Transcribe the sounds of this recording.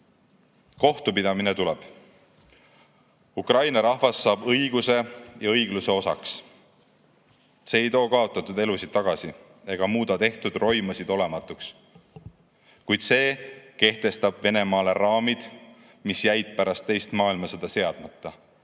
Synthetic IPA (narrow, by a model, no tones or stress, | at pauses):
ko̞ht̪upid̪ɑminet̪ulɛb̥ | ukrɑjnɑɾɑhvɑsːɑːb̥ɤjɡ̥use̞jɑɤjɡ̥luse̞o̞sɑ̰ks | se̞ːjt̪o̞ːkɑo̞t̪ːˑɑt̪ːˑud̪e̞lusid̥̪̚t̪ːɑɡ̥ɑsi | e̞ɡ̥ɑmuːd̪ɑt̪e̞ht̪ud̪̥ro̞jmɑsid̪̥o̞le̞mɑt̪ːˑuks | kujd̪̥se̞ːke̞ht̪e̞st̪ɑb̥ve̞ne̞mɑːle̞rɑːmid̪̥ | misjæjt̪̚pæɾɑst̪ːe̞jst̪mɑːilmɑsed̪̥ɑse̞ɑd̪̥mɑt̪ːɑ